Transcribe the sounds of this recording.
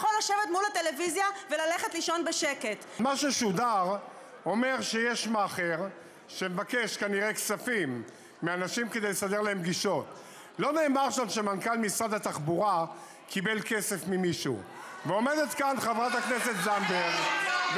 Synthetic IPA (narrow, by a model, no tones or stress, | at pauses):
χolaʃevet̪mulat̪e̞levizjavelaleχetliʃo̞nbeʃeket | maʃeʃud̪aʁ | o̞me̞ʁʃejeʃmaχeʁ | ʃemevake̞ʃkaniʁeksafimː | eanaʃimke̞d̪ejlesad̪eʁlaemɡiʃo̞t̪ | lo̞neːmaʁʃanʃemankalmisʁad̪at̪aχbuʁa | kʰibe̞lke̞sefmimiʃṵ | veo̞me̞d̪et̪kanχavʁat̪hakneset̪zamdeʁv